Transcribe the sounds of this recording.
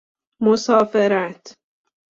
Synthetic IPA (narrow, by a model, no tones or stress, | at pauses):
mosɒːfeɾæt̪